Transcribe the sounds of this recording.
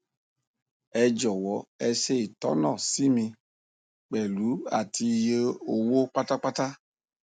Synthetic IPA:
ɛ˧d͡ʒɔ˨wɔ˨˦ɛ˧se˦˨i˨tɔ˨˦nɔ̃˦˨si˦mĩ˧ | k͡pɛ˨lu˨˦a̰˦˨tʰi˧je˧˦o˨wo˦k͡pa˦ta˦k͡pa˦ta˦

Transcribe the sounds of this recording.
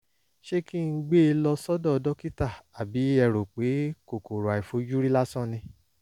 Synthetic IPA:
ʃe˦kĩ˦˨ŋ̩˦ɡ͡be˦˧lɔ˧sɔ˦dɔ˦˨ɔ˧dɔ˦ki˦ta˦˨a˨bi˨˦ɛ˦˨ɾo˨k͡pe˨˦ko˨ko˨ɾo˨a˨i˨fo˨˦d͡ʒu˦ɾi˦la˦sɔ̃˦˨nĩ˧

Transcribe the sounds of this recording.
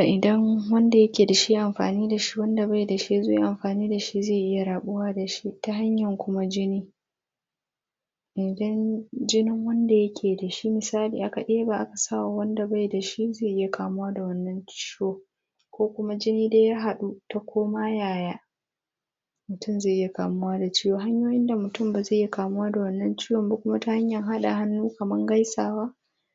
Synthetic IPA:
ʔa˨ʔɪ˨dɐ˦ŋwɐ˦nda˨jɐ˦kʲeː˨da˨ʃi˦ʔa˨mɸa̰ː˨niː˦da˨ʃi̥˦wɐ˦nda˨ba˦jda˨ʃi˦zḛ˦ʔa˨mɸaː˨niː˦da˨ʃi˦zeː˦˨ʔɪ˦ja˨ɽaː˨ɓʊ˦waː˦da˨ʃi˦ta˦ɦa˦ɲjɐ˨ŋkʷʊ˦ma˦d͡ʒɪ˦niː˦ | ʔɪ˨dɐ˦nd͡ʒɪ˦nɪ˦ŋwɐ˦nda˨jɐ˦kʲʰeː˨da˨ʃi˦mɪ˨saː˦liː˨ʔa˦ka˨ʔeː˦ba˨ʔa˦ka˨sa˦wa˨wɐ˦nda˨ba˦jda˨ʃi˦ze˦˨ʔɪ˦ja˨kaː˨mʊ˦waː˦da˨wɐ˦nːɐ˦nt͡ʃi̥ː˦joː˦ | kʷoː˦kʷʊ˦ma˦d͡ʒɪ˦niː˦de˦jaː˦ɦa˨ɗu˦ta˦kʷʰoː˦maː˦jaː˨jaː˦ | mʊ˨tʊ˦˨mzeː˦˨ʔɪ˦ja˨kaː˨mʊ˦waː˦da˨t͡ʃiː˦joː˨ɦa˦ɲjoː˦jɪ˦nda˨mʊ˨tʊ˦mbaː˨ze˦˨ɪja˦˨kaː˨mʊ˦waː˦da˨wɐ˦nːɐ˦nt͡ʃiː˦jɔ˨mba˨kʷʊ˦ma˦ta˦ha˦ɲjɐ˨ŋɦa˦ɗa˨ɦa˦nːuː˦kɐ˨mɐ˦ŋɡa˦jsaː˨waː˦

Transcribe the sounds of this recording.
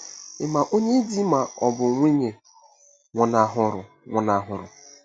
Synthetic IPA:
ɪ˨ma˨ʔo˦ɲe˦di˦ma˨ɔ˨bʊ˨ŋʷi˦ɲe˨ | ŋʷʊ˨na˨ɦʊ˨ɾʊ˨ | ŋʷʊ˨na˨ɦʊ˨ɾʊ̰˨

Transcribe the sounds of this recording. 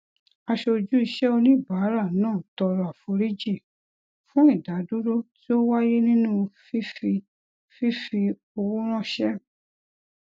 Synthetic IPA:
a˧ʃo˧d͡ʒu˦i˧ʃɛ˦o˧nĩ˦˨ba˨˦ɾa˦˨nãː˦˨tɔ˧ɾɔ˧˨a˨fo˧ɾi˦d͡ʒi˦˨ | fũ˦i˦˨da˨˦du˦ɾo˦ti˦o˦wa˦je˦nĩ˦nũ˦fi˦fi˧ | fi˦fi˧ | o˧wu˦ɾ̃ã˦ʃɛ˦

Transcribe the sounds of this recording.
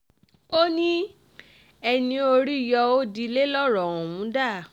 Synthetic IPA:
o˦nĩ˦ | ɛ˧nĩ˧o˧ɾi˦˨jɔ˧o˦di˧le˦lɔ˦ɾɔ̃˨ɔ̃˨wũ˨˦da˦˨

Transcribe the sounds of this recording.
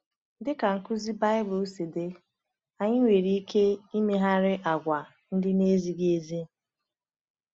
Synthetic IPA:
dɪ˦ka˨ŋ̩˨kʊ˦zi˦ba˦ɪ˦bʊ˨˦se˨de˦ | a˨ɲɪ˦ŋʷe˨ɾi˦i˦kʰe˦i˦me˦ɦa˦ɾɪ˦ʔa˨ɡʷa˨ | n̩˦dɪ˦ne˦zi˦ɡe˦zi˦

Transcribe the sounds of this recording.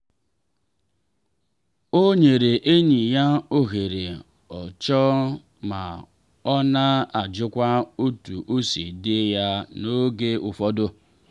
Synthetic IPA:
o˦ɲe˨ɾe˨ʔe˦ɲi˨ja˦o˦ɣe˨ɾe˨ | ɔ˨t͡ʃɔ˦ | ma̰˨ | ɔ˦na˦a˨d͡ʒʊ˦kʷa˦o˦tu˨ʔo˦sḭ˨dɪ˦ja˦no˦ɡe˦ʊ˨fɔ˦dʊ˦

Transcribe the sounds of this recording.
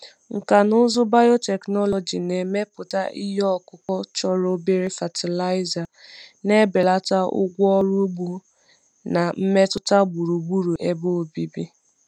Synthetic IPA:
ŋ̩˨ka˨nʊ˦zʊ˦ba˦jɔ˦te˨knɔ˦lɔ˨d͡ʒi˨ne˨me˦pʊ˨ta̰˦ʔi˦jɔ˦ɔ˨kʊ˨kɔ˦t͡ʃɔ˦ɾo˦be˦ɾi˦fa˨tʰi˨la˦ɪ˦za˨ne˦be˨la˦ta˦ʊ̰˦ɡʷɔ˦ɾu˦ɡ͡bu˨ | na˨m̩˦me˦tʊ˦ta˦ɡ͡bu˨ɾu˨ɡ͡bu˦ɾu˨ʔe˦bo˦˨bi˦bi˦

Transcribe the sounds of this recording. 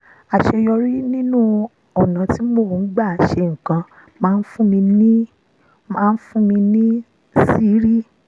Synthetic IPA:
a˨ʃe˧jɔ˧ɾi˦nĩ˦nũ˦ | ɔ˨nã˨ti˨˦mo˦˨n̩˦ɡ͡ba˦˨ʃe˧ŋ̩˨kã˧ | mãː˦˧n̩˦fũ˦mĩ˧nĩ˦ | mãː˦˧n̩˦fũ˦mĩ˧nĩ˦ | si˦ɾi˦

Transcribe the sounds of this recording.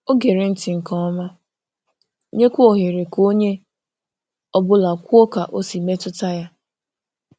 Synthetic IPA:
o˦ɡe˨ɾe˨n̩˦tɪ˨ŋ̩˨kɔ˦ɔ˦ma˦ | ɲe˦kʷu˦o˨ɦe˨ɾe˨ko˦ɲe˦ | ɔ˨bʊ˦la˨kʷu˦o˦ka˨ʔo˦si˨me˦tʊ˦ta˦ja˦

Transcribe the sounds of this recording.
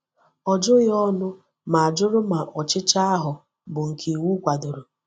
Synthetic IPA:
ɔ˨d͡ʒʊ˦ɣɪ˦ɔ˦nʊ˦ | ma˨a˨d͡ʒʊ˦ɾʊ˦ma˨ʔɔ˨t͡ʃɪ˦t͡ʃa˦a˦ɦʊ˨ | bʊ˨ŋ̩˨kʰi˨wu˦kʷa˨dʊ˨ɾo˨

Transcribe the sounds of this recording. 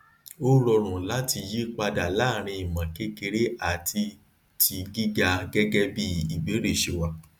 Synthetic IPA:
o˦ɾɔ˧ɾ̃ũ˨la˨˦ti˧ji˦k͡pa˧da˨la˨˦˨ɾ̃ĩ˧i˨mã˨ke˦ke˧ɾe˦a˦˨tʰi˧ | tʰi˨˧ɡi˦ɡa˧ɡɛ˦ɡɛ˦bi˦i˨ɡ͡be˨˦ɾe˦˨ʃe˨wa˧

